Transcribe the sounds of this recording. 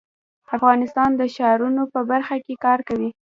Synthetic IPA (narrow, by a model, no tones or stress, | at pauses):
afɣɑnɪst̪ɑnd̪əʃɑɾunopəbaɾxakekɑɾkawi